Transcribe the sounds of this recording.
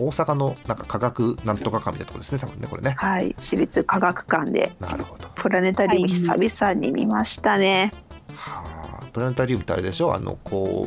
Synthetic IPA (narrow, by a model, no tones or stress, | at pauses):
oːsakano̞nãŋkakaɡakɯ̟nãnt̪ːo̞kakãmʲːit̪a̰nt̪okod̪esɨnet̪abɯ̟nːeko̞ɾe̞̰nehaḭɕiɾʲit͡sɨkaɡakɯ̟̥kãnd̪e̞̰na̰ɾɯ̟ho̞d̪̥o̥pʰɯ̟ɾane̞t̪aɾʲɯːmɯ̟isa̰bʲisaɲ̟ːimʲḭmaɕi̥t̪anehapɯ̟ɾane̞t̪aɾʲɯːmɯ̟t̪ea̰ɾe̞d̪e̞ɕo̞a̰no̰kʰo̰ː